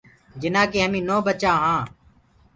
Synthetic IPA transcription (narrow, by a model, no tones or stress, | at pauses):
d͡ʒɪnãːkeːɦəmĩːnoːbət͡ʃãːɦãː